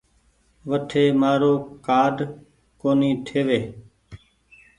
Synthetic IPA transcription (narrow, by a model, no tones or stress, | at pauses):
ʋəʈʰeːmaːɾoːkaːɖ | koːniːt̪ʰeːʋeː